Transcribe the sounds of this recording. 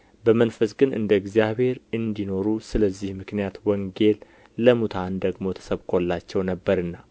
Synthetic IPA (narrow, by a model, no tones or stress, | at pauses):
bəmənfəsɡɨnʔɨ̰nd̪əɨɡzijaβhe̞ɾɨnd̪ino̞ɾusɨləzːihmɨknijat̪wɔŋɡe̞lː | əmut̪ʰand̪əɡmo̞t̪ʰə̥səβkʰo̞lːat͡ʃːɛwnəbːəɾɨnːa